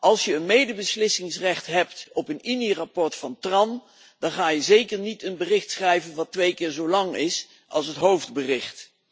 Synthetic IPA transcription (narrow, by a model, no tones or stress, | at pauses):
ʔɑlˠsjəːnmejdəbəslɪsɪŋsrɛχtɦɛp̚tɔpəninirapɔɹtfɑntrɑn | d̥ɑnχaːjəzejkəɹnitənbərɪχtsχrɛjvənʋɑtʋejkɪːɹzowlɑŋɪs | ʔɑ̰lˠsɦətɦowvdbərɪχt